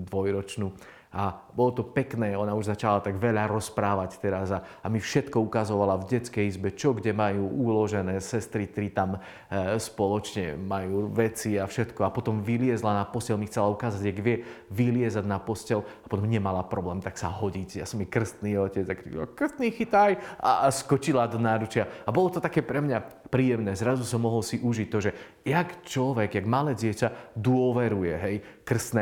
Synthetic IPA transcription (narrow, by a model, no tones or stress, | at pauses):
d̪ʋɔjɾɔt͡ʃnuː | abɔlɔt̪ɔpɛknɛːɔnauʒzat͡ʃalat̪aɡʋɛʎaɾɔspɾaːʋact̪ɛɾaza | amifʃɛt̪kɔukazɔʋalavɟɛt͡skɛjizbɛt͡ʃɔɡɟɛmajuːʔulɔʒɛnɛːsɛst̪ɾit̪ɛɾit̪am | spɔlɔt͡ʃɲɛ̰majuːʋɛt͡siafʃɛt̪kɔapɔt̪ɔmʋilɪɛzlanapɔscɛlmixt͡sɛlaukaːzaɟaɡʋɪɛʋilɪɛzaɟnapɔscɛlapɔt̪ɔmɲɛmalapɾɔblɛːmt̪aksaɦɔɟicja̰sɔmjɛkr̩st̪niːɔcɛd͡zakɾḭkr̩st̪niːxit̪ajʔa̰skɔt͡ʃilad̪ɔnaːɾut͡ʃɪaabɔlɔt̪ɔt̪akɛːpɾɛmɲapɾiːjɛmnɛːzɾazusɔmːɔɦɔlsiʔuʒic̚t̪ɔʒɛ | jakt͡ʃlɔʋɛɡjaɡmalɛːɟɪɛcad̪ʊɔʋɛɾujɛɦɛjkr̩st̪nɛ